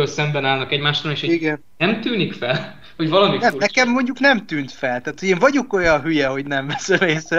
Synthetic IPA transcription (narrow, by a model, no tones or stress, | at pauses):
ølsɛmbɛnaːlnɒkɛɟmaːʃt̪oneːʃoiɡɛn | ɛmt̪yːnikfɛl | ho̞ɟvɒlɒminɛmnɛkɛmːo̞ɲɟuknɛmt̪yːnt̪fɛlt̪æːt̪hoɟeːɱvɒɟo̞ko̞jɒnɦyjɛɦo̞ɟnɛɱvɛsɛmeːsrɛ